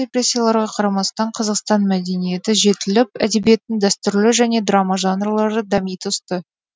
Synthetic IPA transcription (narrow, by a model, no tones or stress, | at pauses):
epɾesʲːijalˠɑɾʁɑqʰɑɾɑmɑst̪ɑɴqʰɑzɑqst̪ɑnmæd̪e̞nije̞t̪ɪʒe̞t̪ɪlɪpæd̪e̞bije̞t̪ːɪnd̪æst̪ʏɾlɪʒæne̞d̪rɑmɑʒɑnrlˠɑɾd̪əd̪ɑmijt̪ʊst̪ə